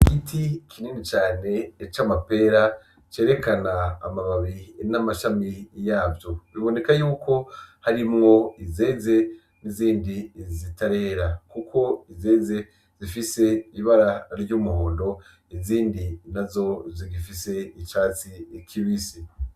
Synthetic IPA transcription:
kitikʰiniːnit͡ʃaːne̞ːt͡ʃamape̞ːɾa | t͡ʃe̞ːɾe̞kana̰ːmaβaβinamaʃamijaːvjoβiβo̞ne̞kajuːko̞haɾimŋo̞ize̞ːze̞ | niziːndizitaɾe̞ːɾakukʰo̞ize̞ːze̞ | zifise̞iβaɾaɾɟuːmuhoːndo̞ | iziːndinazo̞ziɡifise̞it͡ʃaːt͡sikʰiβisi

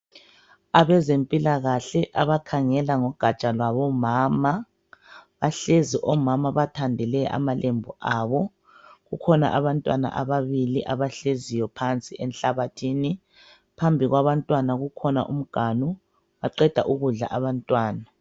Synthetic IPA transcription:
aβɛzempʼilaɣaɬɛʔaβakʰaŋɛlaŋɔɡ̥ʱat͡ʃʼalwaβɔmaːma | βaɬeziʔɔmamaβatʰandʱɛlɛʔa̰malʔembʱuʔaβɔ | ɣukʰɔna̰ʔaβantʼwa̰na̰ʔaβaβiliʔaβaɬezijɔpʰant͡sʼiʔɛnɬaβatʰiːni | pʰambʱiɣwaβantʼwanaɣukʰɔna̰ʔum̩ɡ̥ʱanu | βaǃɛd̥ʱa̰ʔuɣuɮa̰ʔaβantʼwaːna

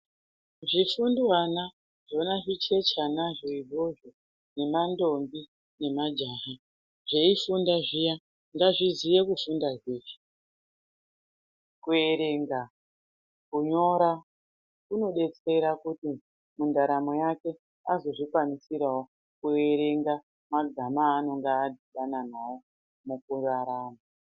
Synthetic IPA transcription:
ʐifundwana | ʐo̞naʐit͡ʃe̞t͡ʃanaʐoiʐoʐo | ne̞mando̞mbi | ne̞mad͡ʒaɦa | ʐeifundaʐija | ndaʐizije̞kufundazeːʐi̥ | kue̞ɾeŋɡa | kuɲo̞ɾa | kuno̞ɗe̞t͡se̞ɾakuti | mundaɾamo̞jake̞ | azo̞ʐikwanisiɾawo | kueɾe̞ŋɡa | maɡʱamaːno̞ŋɡaːdʱiɗananawo | mukuraɾaːma

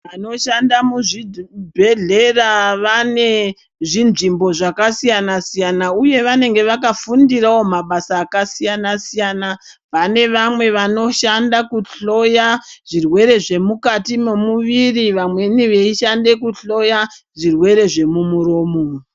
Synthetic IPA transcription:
ʋano̞ʃandamuʐibʱe̞ɮe̞raʋane̞ | ʐinʐimbo̞ʐakasijanasijanauje̞ʋane̞ŋɡe̞ʋakafundirawo̞maɓasaːkasijanasijana | ʋane̞ʋamwe̞ʋano̞ʃandakuɬo̞jaʐ̥irwe̞ɾe̞ʐe̞mukatime̞muʋiriʋamwe̞niʋe̞iʃande̞kuɬo̞ja | ʐirwe̞ɾe̞ʐe̞mumuɾo̞ːmo

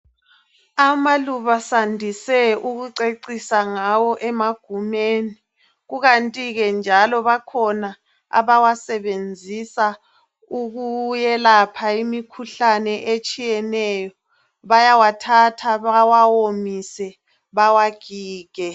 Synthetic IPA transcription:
amaluβasandʱisɛuɣuǀeǀisaŋawɔʔɛmaɡ̥ʱumeni | ɣuɣantʼiɣɛnd͡ʒʱalɔβakʰɔna | a̰βawasɛβend͡zʱisa | uɣujɛlapʰaimikʰuɬanɛʔet͡ʃʼijɛnɛjɔ | βajawatʰatʰaβawawomisɛ | βawaɡ̥ʱiːɡ̥ʱɛ

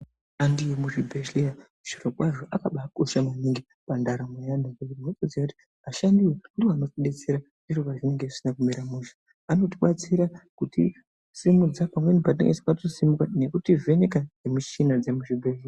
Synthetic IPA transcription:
andijemuʐibʱeʃia | ʃirokwaʐoʔakaɓaːko̞ʃamaniŋɡi | pandaɾamwejandakuinot͡sod͡ziakuti̥ | aʃandiweudiano̞tiɗe̞t͡seɾa | ʐiroʋaʐine̞ŋɡe̥sinakumiɾamuʃḁ | ano̞tiɓat͡siɾakutḭ | simud͡zapamwe̞nipatnḛŋɡesi̥patosimukane̞kutive̞ne̞kanemut͡ʃinad͡zemuʐibʱeʒia

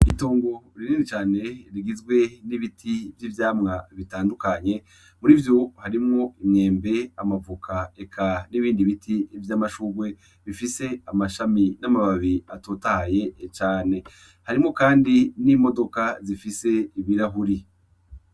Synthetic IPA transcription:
itoːŋɡo̞ɾiniːnit͡ʃaːne̞ɾiɡizɡwe̞niβitʰivjivjaːmŋaβitaːndukaɲe̞ | muɾivjo̞haɾimŋo̞imŋe̞ːmbe̞amavukʰaekʰaniβiːndiβitʰivjaːmaʃuːɡwe̞ | βifise̞amaʃaminamaβaβiatoːtahaje̞t͡ʃaːne̞ | haɾimŋo̞kaːndinimo̞do̞kazifise̞iβiɾaɦuɾi

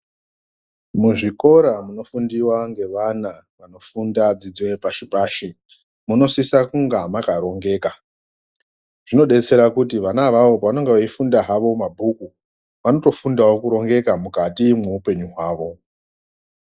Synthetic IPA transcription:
muʐiko̞ɾamuno̞fundiwaŋɡe̞ʋana | ʋano̞fundad͡zid͡zwe̞paʃipaːʃi | muno̞sisakuŋɡamakaɾo̞ŋɡe̞ːka | ʐ̥ino̞ɗe̞t͡se̞ɾakutiʋanaʋaʋo̞paʋanoŋɡeʋaifundaɦaʋo̞mabʱuku | ʋano̞to̞fundawokuɾo̞ŋɡe̞kamukatimwuupe̞ɲuɦwaːʋo̞

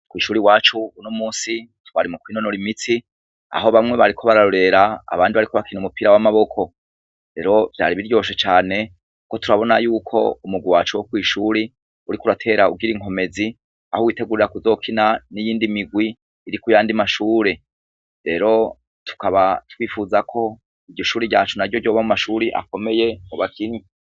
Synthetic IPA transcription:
kwiːʃuːɾiwaːt͡ʃuunomuːsitwaɾimukwiːnonoɾimit͡si | a̰ɦo̞βamŋe̞βaɾikʰo̞βaɾaɾo̞ɾe̞ɾa̰ːβaːndiβaɾikʰo̞βakinumupiɾawamaβo̞kʰo̞ | ɾe̞ɾo̞vja̰ːɾiβiɾjo̞ːʃ̬et͡ʃaːne̞ | kuko̞tuɾaβo̞najuːkʰo̞̰umuɡwiwaːt͡ʃuwokwiːʃuːɾi | uɾikuɾatʰe̞ɾaṵɡiɾiŋ̥ɦo̞me̞zi | ahowiːte̞ɡuɾiɾakuzo̞ːkʰinanijiːndimiɡwiː | ɾikujaːndimaʃuːɾe | ɾe̞ɾo̞ | tu̥kaβatwiːfuzakʰo̞ | iɟoʃuːɾiɟaːt͡ʃunaɾɟo̞ɟo̞ːβamumaʃuːɾiʔa̰ko̞me̞je̞oβakʰini

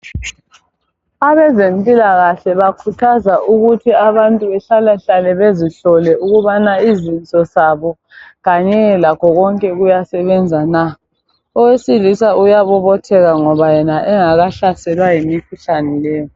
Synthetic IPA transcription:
aβɛzempʼilaɣaɬɛβakʰutʰazaʔuɣutʰiaβantʼuβɛɬalaɬalɛβeziɬɔlɛʔuɣuβanaizint͡sʼɔsaβɔ | ɣaɲɛlakʰɔɣɔŋkʼɛɣujasɛβɛnd͡zʱana | ɔwesilisaujaβɔβɔtʰɛɣaŋɔβajɛnaʔɛŋaɣaɬasɛlwajimikʰuɬanɛlɛːjɔ

